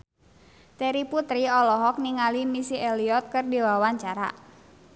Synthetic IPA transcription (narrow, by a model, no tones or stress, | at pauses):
t̪ɛɾiput̪ɾiɔlɔɦɔk̚niŋalimisiɛliɔt̪̚kɨrdiwawaɲt͡ʃaɾa̰